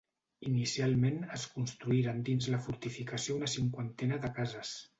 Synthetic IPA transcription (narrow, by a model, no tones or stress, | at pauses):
inisialˠmenəskunst̪ɾuiɾand̪inzləfuɾt̪ifikəsiounəsiŋkwant̪ɛnəðəkazəs